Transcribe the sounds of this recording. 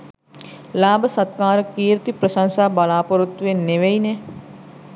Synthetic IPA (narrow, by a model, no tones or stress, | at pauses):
laːbʱsɐt̪̚kaːɾkiːɾt̪ipɾəʃãŋsaːbɐlaːpəɾut̪ʋeːneʋeine